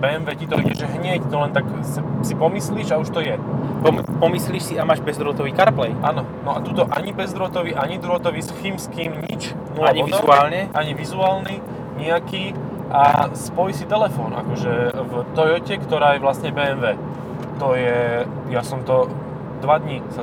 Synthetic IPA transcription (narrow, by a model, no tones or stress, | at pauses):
bɛːɛmʋɛːcit̪ɔʔḭɟɛʒɦɲɛct̪ɔlɛnt̪aksasipɔmisliːʒauʃt̪ɔjɛpɔmpɔmisliːʃsiamaːʒbɛzd̪ɾɔt̪ɔʋiːkaɾplɛjʔa̰ːnɔ | nɔat̪uːt̪ɔʔa̰ɲibɛzd̪ɾɔt̪ɔʋiːʔaɲid̪ɾɔt̪ɔʋiːsximskiːmɲḭt͡ʃ | nɔaɲiɔʋizuaːlɲɛʔaɲiʋizuaːlni | ɲɛakiː | ʔa̰spɔjsit̪ɛlɛfɔːnʔa̰kɔʒɛvt̪ɔjɔcɛkt̪ɔɾaːjɛʋlasɲɛbɛːɛnʋɛː | t̪ɔjɛ | jasɔmt̪ɔ | d̪ʋad̪ɲisa